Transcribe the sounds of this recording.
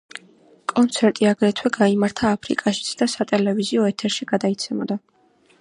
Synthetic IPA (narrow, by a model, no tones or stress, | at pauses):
kʼɔnt̪sʰɛɾt̪ʼiaɡɾɛt̪ʰwɛɡaimaɾt̪ʰaːpʰɾḭkʼaʃi̥t̪sʰd̪̥asat̪ʼɛlɛviziɔɛt̪ʰɛɾʃiɡ̥ad̪ait̪sʰɛmɔd̪a